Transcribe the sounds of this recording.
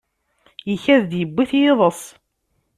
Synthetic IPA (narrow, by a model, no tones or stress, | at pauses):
jəçæðd̪jəbːiθjeðˤəsˤ